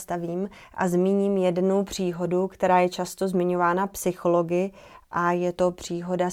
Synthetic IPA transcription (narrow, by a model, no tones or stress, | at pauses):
st̪aviːm | ʔa̰zmiːɲiːmjɛdnuwpr̝̥iːɦo̞dukt̪ɛɾaːjɛt͡ʃast̪o̞zmɪɲo̞vaːnapsɪxo̞lo̞ɡɪ | ʔajɛt̪o̞pr̝̥iːɦo̞da